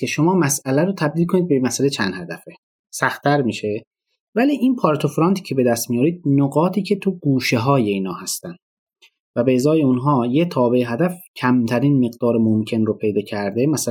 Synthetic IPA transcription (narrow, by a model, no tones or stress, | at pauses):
eʃo̞mɒːmæsælæɾot̪ʰæb̚d̪iːlkʰo̞nid̪bemæsælet͡ʃʰænd̪hæd̪æfe | sæxt̪ʰæɾmiːʃe̞ | væliːʔinpʰɒɾt̪ʰofɾɑnt̪ʰi̥cʰe̞be̞d̪æst̪mijɒːɾiːd̪̥̚noɡɒːt̪ʰiːcʰe̞t̪ʰuɡuːʃe̞ɦɒːje̞iːnhɒ̰ːhæst̪ænd̪ | væbezɒːjeunɦɒːjet̪ʰɒːbe̞eɦæd̪æfcʰæmt̪ʰæɾiːnme̞ɢd̪ɒːɾemomcʰe̞nɾopʰe̞jd̪ɒːcʰæɾd̪emæs